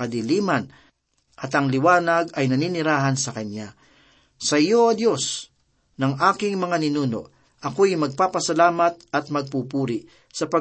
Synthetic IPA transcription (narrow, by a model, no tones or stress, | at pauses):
ɐd̪ɪliːmɐn | ʔɐt̪ɐŋlɪwaːnɐɡɐjnɐninɪɾaːɦɐnsɐkɐna | sɐɪjoɐd̪jo̞s | nɐŋaːkɪŋmɐŋanɪnuːno̞̰ʔ | ʔɐkojmɐɡ̚paːpɐsɐlaːmɐt̪̚ɐt̪̚mɐɡ̚pupuːɾɪʔ | sɐpɐ